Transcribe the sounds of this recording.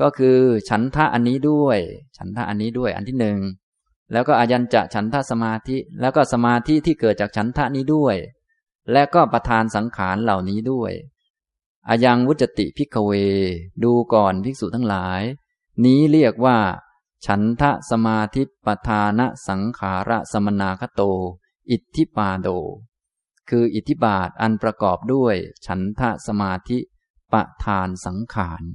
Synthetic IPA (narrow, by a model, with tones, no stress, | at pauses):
kɔː˥˩kʰɯː˧t͡ɕʰa˦˥nt̪ʰa˦˥ʔa˧nːiː˦˥du˥˩əjt͡ɕʰa˦˥nt̪ʰa˦˥ʔa˧nːiː˦˥du˥˩əjʔa̰˧nt̪ʰiː˥˩nɯ˨˩ŋ | lɛː˦˥wkɔː˥˩ʔa˧ja˧nt͡ɕa̰˨˩ʔ̚t͡ɕʰa˦˥nt̪ʰa˦˥ʔsa˧maː˧t̪ʰi˦˥lɛː˦˥wkɔː˥˩sa˧maː˧t̪ʰi˦˥t̪ʰiː˥˩kɤː˨˩t̪̚t͡ɕaː˨˩k̚t͡ɕʰa˦˥nt̪ʰa˦˥ʔniː˦˥du˥˩əj | lɛ˦˥kɔː˥˩pɾa˧t̪ʰaː˧nsa˩˦ŋkʰaː˩˦nla˨˩wniː˦˥du˥˩əj | ʔa̰ː˧ja˧ŋwu˦˥t̪̚sa˧t̪ḭ˨ʔpʰi˦˥˩kʰːa˧weː˧duː˧kɔː˨˩npʰi˦˥k̚suː˨˩t̪ʰa˦˥ŋlaː˩˦j | niː˦˥ɾi˥˩ək̚waː˥˩ | t͡ɕʰa˦˥nt̪ʰa˦˥ʔsa˧maː˧t̪ʰi˦˥pɾa˧t̪ʰaː˧na˦˥ʔsa˩˦ŋkʰaː˩˦ɾʔa˦˥ʔsa˧ma˧naː˧kʰa˦˥t̪oː˧ | ʔi˨˩t̪ʰːi˦˥paː˧doː˧ | kʰɯː˧ʔi˨˩t̪ʰːi˦˥baː˨˩t̪̚ʔa˧npɾa˧kɔː˨˩p̚du˥˩əjt͡ɕʰa˦˥nt̪ʰa˦˥ʔsa˧maː˧t̪ʰi˦˥ | pɾa̰˧˩t̪ʰaː˧nsa˩˦ŋkʰaː˩˦n